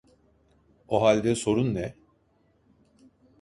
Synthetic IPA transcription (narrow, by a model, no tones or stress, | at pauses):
oɦalʲd̪ɛso̞ɾunːɛ